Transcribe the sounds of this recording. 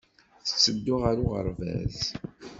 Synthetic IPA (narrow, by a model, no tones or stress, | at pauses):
θə̥səd̪ːʊʁaɾuʁə̰ɾˤvæ̰z